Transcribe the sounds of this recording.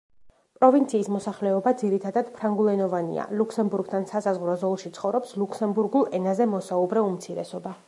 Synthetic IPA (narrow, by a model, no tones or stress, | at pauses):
pʼɾɔvint̪sʰiːsmɔsaχlɛɔbad̪ziɾit̪ʰad̪ad̪̥pʰɾaŋɡulˠɛnɔvanḭa̰luksɛmbuɾɡt̪ʰansasazʁɾɔzɔlˠʃit̪sʰχɔvɾɔpsluksɛmbuɾɡulˠɛnazɛmɔsaubɾɛumt̪sʰiɾɛ̰sɔba